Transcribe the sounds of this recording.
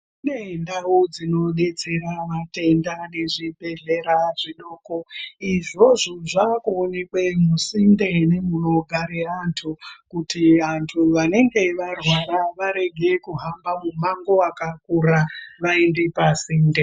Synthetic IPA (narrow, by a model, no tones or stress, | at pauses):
unendawud͡zino̞ɗe̞t͡se̞ɾaʋate̞ndane̞ʐibʱe̞ɮe̞ɾaʐiɗoːko̞iʐo̞ʐoʐakuːne̞kwe̞musinde̞ne̞muno̞ɡʱaɾeantʰukutiantʰuʋane̞ŋɡe̞ʋarwaɾaʋaɾe̞ɡʱe̞kuɦambamumaŋɡo̞akakuɾaʋaindepasiːnde